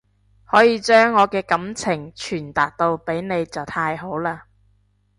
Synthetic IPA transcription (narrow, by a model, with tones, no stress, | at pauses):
hɔː˨˥jiː˨˧t͡ʃœː˥ŋːɔː˨˧kɛː˧kɐ˨˥mt͡sʰɪ˨˩ŋt͡ʃʰyː˨˩nt̪aː˨k̚t̪o˧wpe˨˥jne˨˧jt͡sɐ˨wt̪ʰaː˧jɦo˨˥wlaː˧